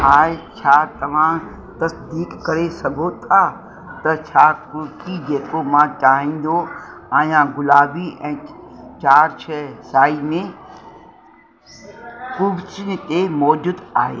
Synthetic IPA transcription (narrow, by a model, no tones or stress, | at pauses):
ɦaːt͡ʃʰaːt̪ɐʋ̤ã | t̪ɐsd̪iːkːɐɾesɐɡʱot̪ʰa | t̪ɐt͡ʃʰaːkʊɾtid͡ʑeːkomãt͡ʃaːɦĩːn̆d̪oãːijãɡʊlaːbiɛ̃ːt͡ʃaːɾt͡ʃʰɛsaːimẽ | kʊbsɪnɪ̆t̪emɔːd͡ʑʊd̪aːɦḛː